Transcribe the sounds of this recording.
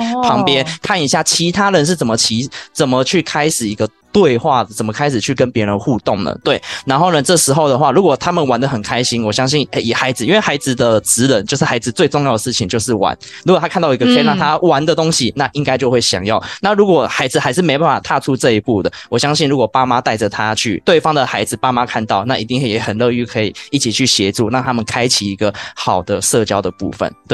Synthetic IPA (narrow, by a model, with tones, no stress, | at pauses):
pʰɑ˧˥ŋpjɛ˦nkʰa˥˩ni˧˩ɕja˥˩t͡ɕʰi˧˥t̪ʰa˥ɻə˧˦nʂ̬ɻ̩˥˩t͡sə˨˩mə˩˦t͡ɕʰi˧˥t͡sə˨˩mə˦t͡ɕʰy˥˩kʰa˥ɪʂɻ̩˨˩i˧˥ɡə˧t̪we˥˧ɪxwa˥˩ə˩t͡sə˨˩mə˩kʰa˥ɪʂɻ̩˨˩t͡ɕʰy˥˩kə˦npjɛ˧˥ɻə˧˦nxu˥˧t̪o˥˩ŋnə̰˩t̪we˥˩ɪna˧˥nxo˥˩ʊnə˨ʈ͡ʂɤ˥˩ʂɻ̩˧˥xo˥˩ʊd̪ə˩xwa˥˩ɻu˧˥kwɔ˨˩t̪ʰa˥mə˨nwa˧˥nd̪ə˨xə˨˩nkʰa˥ɪɕi˥nwɔ˨˩ɕjɑ˥ŋɕi˥˩ne˥˩ɪi˨˩xa˧˥ɪd͡zɹ̩˨i˥nwe˥˩ɪxa˧˥ɪd͡zɹ̩˨˩d̪ə˨t͡sɹ̩˧˥ɻə˧˦nt͡ɕjo˥˧ʊʂ̬ɻ̩˥˩xa˧˥ɪd͡zɹ̩˨˧t͡swe˥˧ʈ͡ʂʊ˥˧ŋjɑ˥˩ʊd̪ə˩ʂ̩˥˩t͡ɕʰi˨ŋt͡ɕjo˥˧ʊʂɻ̩˥˩wa̰˧˦n | ɻu˥kɔ˨˩t̪ʰa˥kʰnt̪ɑ˥˩ʊi˧˥ɡə˧kʰe˥˧ɪna˥˩t̪ʰa˥wa˧˥nd̪ə˨t̪o˥ŋɕi˨na˥˨ʔi˦˥ŋka˥ɪt͡ɕjo˥˧ʊxwe˥˩ɪɕjɑ̰˨˩ŋjɑ˥˩ʊna˥˩ɻu˧˥kwɔ˨˩xa˧˥ɪd͡zɹ̩˧˩xa˧˥ɪd͡z̩˧˩m˧˥˧bpa˥˩n˩fa˨˩t̪ʰa˥˧ʈ͡ʂʰu˥ʈ͡ʂɤ˥˧i˧˥pu˥˩d̪ə˩wɔ˨˩ɕjɑ˥ŋɕi˥˩nɻu˧˥kwɔ˨˩pa˥ma˦t̪a˥˩ɪd͡zə˩t̪ʰa˦˥t͡ɕʰy̰˥˩t̪we˥˩ɪfɑ˥ŋd̪ə˨˩xa˧˥ɪd͡zɹ̩˨˩pa˥ma˥kʰa˥˧nt̪ɑ˥˩ʊna˥˩i˨˩t̪i˥˩ŋxjɛ˧˥xə˨˩nlɤ˥˧y˥˩kʰɤ˧˥ḭ˨˩i˥˩t͡ɕʰi˨˩t͡ɕʰy˥˩ɕjɛ˧˥ʈ͡ʂu˥˧ɻɑ˥˨ŋt̪ʰa˥mə˨nkʰa˥ɪt͡ɕʰi˨˩i˧˥ɡə˧xɑ˨˩ʊd̪ə˦ʂɤ˥˧t͡ɕjɑ˥ʊd̪ə˨pṵ˥˩fə̰˨˦nt̪w